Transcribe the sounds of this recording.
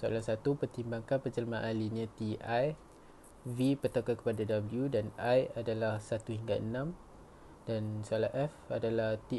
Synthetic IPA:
səa̰lahsat̪upərt̪imbaŋkanpəd͡ʒəlamãʔalinãt̪iʔaj | vipərt̪akakə̥padadabəljudanajadalahsat̪uhiŋɡaənãm | dansoalaʔɛfadalaht̪i

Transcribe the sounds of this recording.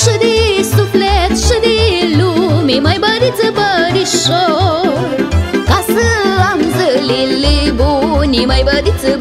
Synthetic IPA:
ʂud̪isuplet̪ʂud̪ilumiməjbəd̪it͡sɨbəɾiɕo | kasəamd͡zəlilːibuniməjbəd̪it͡s

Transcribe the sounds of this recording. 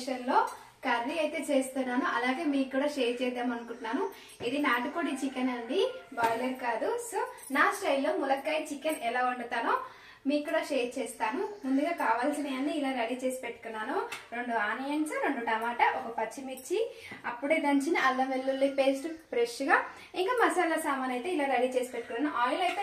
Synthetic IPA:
ʂɐnlo̞ː | kɐɾʋiɐjt̪e̞ːt͡ʃe̞ːst̪unːaːnuʔɐlaːɡe̞ːmiːkːuːɽaːʃeːɾt͡ʃɛːd̪aːmɐnukuɳʈunːaːnu | id̪inaːʈukoːɽit͡ʃikɐnɐɳɖibɐːjlɐɾkaːd̪usonaːsʈɐjlo̞ːmulɐkːɐːjt͡ʃikɐnɛlaːuɳɖɐt̪aːnu | miːkkːuːɽaːʃeːt͡ʃeːst̪aːnumund̪uɡaːkaːʋaːlsineɐnːiilaːɾɐɽiːt͡ʃe̞ːsi̥pe̞ʈːu̥kunːaːnuɾoɳɖuaːnijɐnt͡ʃɐɾo̞ɳɖuʈɐmaːʈɐʔɔkɐpɐt͡ʃːimit͡ʃːi | ɐpːuɽeːd̪ɐɲt͡ʃiniʔɐlːɐmelːulːipeːsʈupɾeʂuɡaː | iŋkaːmɐsɐnlːɐsaːmaːnɐjt̪e̞ːilaːɾɐɽiːt͡ʃe̞ːsi̥pe̞ʈːukunːaːnuʔaːjlɐjt̪e

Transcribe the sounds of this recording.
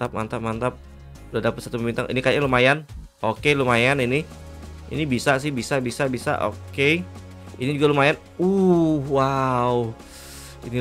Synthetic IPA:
t̪ap̚ma̰nt̪ap̚mant̪ap̚ | ladapəsat̪uməmbint̪aŋʔḭnikajaɲalomajan | okelomajanini | ḭnibisas̬ɪhbisabisabisa̰ʔo̰ke | inid͡ʒuɡalomajan | uhwau | ini

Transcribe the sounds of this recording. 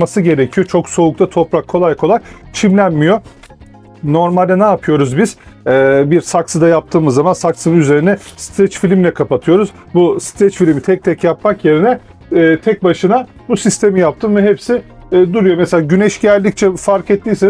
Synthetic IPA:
masɯɟe̞ɾecʰijo̞t͡ʃʰo̞kso̞uk̚t̪ʰat̪ʰo̞pɾakʰːo̞lˠajkʰo̞lˠajt͡ʃʰimlʲænmijo̞ | no̞ɾmalʲd̪ɛnaːpʰɯjo̞ɾuzbiz̥ɛːbiɾsaksɯd̪ajap̚t̪ʰɯːmɯzːamansaksɯnnyze̞ɾinɛst̪ɾɛt͡ʃfilʲimlʲɛkʰapat̪ʰɯjo̞ɾuz | bust̪ɾɛt͡ʃfilʲimit̪ʰɛc̚t̪ʰɛcjapmakje̞ɾinɛː | t̪ʰɛc̚baʃɯna | busist̪ʰe̞mijap̚t̪ʰɯmvɛɦepsɪ | d̪uɾujo̞meselaːɟynɛʃɟælʲd̪ic̚t͡ʃʰɛfaɾkɛt̪ʰːiːse

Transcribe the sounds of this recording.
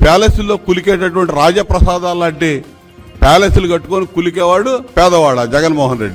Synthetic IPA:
pɛːleːsulːo̞ːkulikeːʈɐʈuʋɐɳʈiɾaːd͡ʒjɐpɾɐsaːd̪aːlːaːɳʈe | pɛːleːsuluɡɐʈːukonikulik̬ɛːʋaːɽupɛːd̪ɐʋaːɽɐd͡ʒɛɡɐnmɔːɦɐnɾeɖːi

